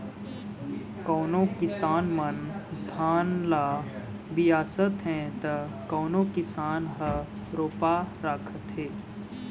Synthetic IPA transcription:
koːnõkɪsaːnmənd̪ʱaːnlaː | bijaːsət̪ɦɛ̃t̪əkoːnokɪsaːnɦə | ɾoːpaɾaːkʰət̪ɦɛː

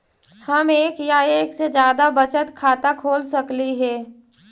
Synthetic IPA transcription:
hɐmeːkjaeːksed͡ʒjaːd̪abət͡ʃət̪kʰaːt̪akʰoːlsɐkliɦɛː

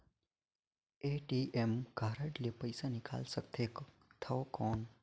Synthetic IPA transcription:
eʈiʔemɡʱaːɾəʈlepəjsanɪka̰ːlsək̚t̪ʰek | t̪ʰəkɔːn

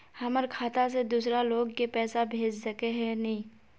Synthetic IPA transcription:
hɐməɾkʰaːt̪ased̪uːsɾaloːɡkepɛːsabʱeːd͡ʒsɐkeɦɛ̃nɐɦĩ

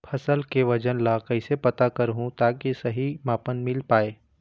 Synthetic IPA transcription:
pʰɐsəlkeʋɐd͡ʒənlaːkɐɪsepɐt̪akɐɾɦũt̪aːkisɐɦimaːpənmɪlpaːeː

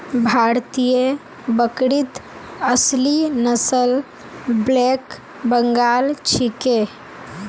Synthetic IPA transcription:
bʱaːɾt̪ijə | bəkɾit̪əslinəsəl | bleːk | bəŋɡaːlt͡ʃʰike

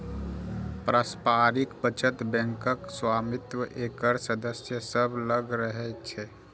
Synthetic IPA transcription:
pɾaspaɾikpət͡ʃət̪bɛ̃ŋkəkswaːmit̪wəʔekəɾsəd̪əsjəsəbʱləɡɾəɦɛt͡ʃʰɛ

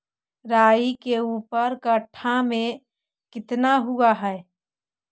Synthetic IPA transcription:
ɾaːikeuːpəɾkəʈʰamẽ | kɪt̪naɦuaɦɛː

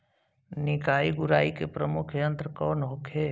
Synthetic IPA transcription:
nɪkaːiɡʊɾaːikepɾəmʊkʰjə̃nt̪ɾəkɔːnɦokʰeː

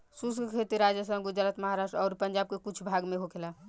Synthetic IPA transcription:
suskkʰet̪iɾad͡ʒjəsə̃ɡud͡ʒɾət̪məɦaɾasʈɾɔːɾpəɲd͡ʒab̚kekut͡ʃʰbʱaɡmeɦokʰela

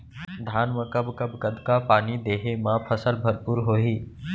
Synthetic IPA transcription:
d̪ʱaːnʋəkəbkəbkəd̪kapaːniːd̪eːɦemãpʰəsəlbʱəɾpuːɾɦoːɦiː

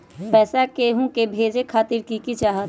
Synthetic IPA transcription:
pɛːsakeɦũkebʱeːd͡ʒekʰaːt̪ɪɾkikit͡ʃaːɦət̪

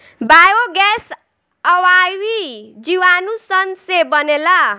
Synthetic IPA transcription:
bajoɡɛs | ʌwawid͡ziwanusʌnsebʌnela

